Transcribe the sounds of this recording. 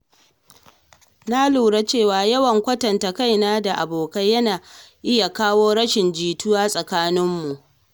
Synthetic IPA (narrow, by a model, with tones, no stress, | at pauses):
na˦luː˨ɽa˦t͡ʃeː˦˨waː˨jɐ˦wɐ˨ŋkʷɐ˦tɐ˨nta˨ka˦jnaː˦da˨ʔa˨boː˨ka˦jːɐ˦naː˨ʔɪ˦ja˨kaː˦woː˦ɽɐ˦ʃɪ˨nd͡ʒiː˨tʊ˦waː˦sʼɐ˨kaː˦nɪ˦mːu˨ʔ